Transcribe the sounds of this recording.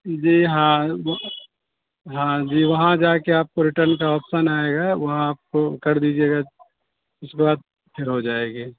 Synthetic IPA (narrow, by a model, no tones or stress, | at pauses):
d͡ʒiːɦãʋ | ɦãd͡ʒiːʋɐɦãd͡ʒaːkeaːp̚koɾɪʈəɾnkaɔpsənaːeɡaːʋɐɦãaːp̚kokɐɾd̪iːd͡ʒieɡa | ɪsbbaːd̪̚ | pʰeɾɦod͡ʒaːeːɡeː